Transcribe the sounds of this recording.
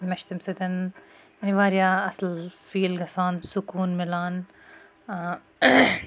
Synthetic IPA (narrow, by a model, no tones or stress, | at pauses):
mɐʃt̪imsɐd̪ɐn | jɐniʋaːɾijaːɐslfiːlɡɐsaːnsʊkuːnmɪlaːn